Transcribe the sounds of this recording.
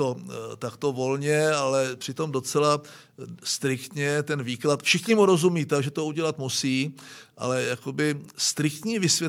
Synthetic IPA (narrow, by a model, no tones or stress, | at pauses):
ot̪akt̪o̞vo̞lɲɛalɛpr̝̥ɪt̪o̞mdo̞t͡sɛla | st̪ɾɪkt̪ɲɛt̪ɛnviːklat̪fʃɪxɲɪmuɾo̞zumiːt̪aʒɛt̪ouɟɛlat̪musiːʔa̰lɛjako̞bɪst̪ɾɪkt̪ɲiːvɪsvjɛ